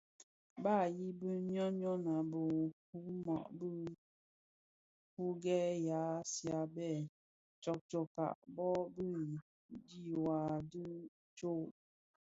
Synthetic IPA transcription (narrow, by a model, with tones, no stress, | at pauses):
ba˦˨ji˦bə˦ɲɔ˦ɲɔ˦na˨bə˨ku˦mɔ̰˨ʔbə˦ | hu˦ɡɛ˦ja˨˦sja˨bɛ˦˨ | t͡ʃɔ˨k̚t͡ʃɔ˨ka̰˨ʔbɔ˦bə˦ | di˦˨wa˨dɨ˦ | t͡ʃo˦